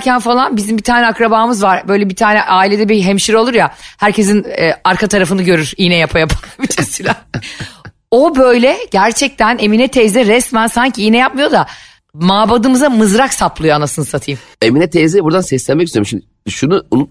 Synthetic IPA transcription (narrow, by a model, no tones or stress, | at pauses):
cʰænfalˠanbizimbit̪ʰaːnɛakɾabaːmɯzvaɾ̥bø̞jlʲɛbit̪ʰaːnɛʔaːilʲed̪ɛbiɦɛmʃiɾo̞lˠuɾjahæɾcʰe̞s̬inːaɾkʰat̪ʰaɾafɯnɯɟø̞ɾyɾ̥ijnɛjapʰajapʰḁklˠabit͡ʃʰesilʲæ | o̞bøjlʲɛɟ̥æɾt͡ʃʰɛc̚t̪ʰæneminɛt̪ʰɛzɛɾɛsmænsaɲciijnɛjap̚mɯjo̞d̪a | maːbad̪ɯmɯzamɯzɾaksaplˠɯjo̞anasɯnɯsat̪ʰɯjm | eminɛt̪ʰezɛbuɾd̪ansɛslʲɛnmɛciseɾmʃimd̪ | ʃunuunu